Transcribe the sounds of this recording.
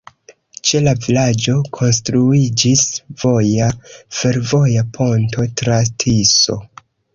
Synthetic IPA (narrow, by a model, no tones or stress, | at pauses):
t͡ʃe̞lavilad͡ʒo̞kʰo̞nstɾuid͡ʒisv̥o̞jafe̞ɾvo̞japʰo̞nto̞tɾatʰiso̞̰